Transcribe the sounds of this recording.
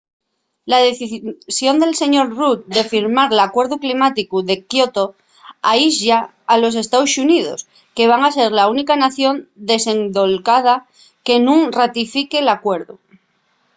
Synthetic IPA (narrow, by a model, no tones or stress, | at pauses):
lað̞eθisjo̞nd̪e̞lse̞ɲo̞ɾrut̪̚d̪e̞fiɾmaɾlakwe̞ɾðuklimat̪ikuðe̞kjot̪o | aiʃaː | lo̞s̬e̞st̪aosunið̞o̞̰s | ke̞β̞aŋase̞ɾlaunikanaθjo̞nd̪ese̞ŋd̪o̞lkað̞a | ke̞nũŋrat̪ifike̞lakwe̞ɾðu